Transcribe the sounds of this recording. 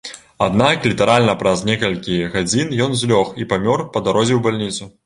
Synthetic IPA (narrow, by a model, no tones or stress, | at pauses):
ad̪naklʲit̪ɐɾalʲnɐpɾɐznʲɛkɐlʲkʲiɣad͡zʲinjɔnzʲlʲɔxipamʲɔrpɐd̪aɾɔzʲɛwbalʲnʲit̪su